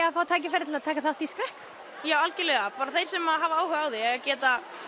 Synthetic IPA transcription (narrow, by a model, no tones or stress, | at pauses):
afaːwt̪ʰaːjc̬ɪfɛɾt̪ʰɪlat̪ʰaːkaθaht̪iskɾɛhk | jaːwalcɪlɛːɣapaːɾaθejɾ̥sɛmaɦaːvaaːwhœɣaːwðɪɛɣacɛːt̪a